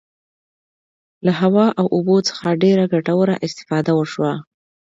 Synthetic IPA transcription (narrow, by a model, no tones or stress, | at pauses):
laɦawɑʔawʔubot͡sə̥xaɖeɾaɡaʈawəɾa̰ʔɪst̪ɪ̥fɑd̪awəʃwa